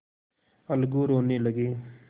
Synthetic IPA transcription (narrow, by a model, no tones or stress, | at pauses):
əlɡuːɾoːniːləɡiː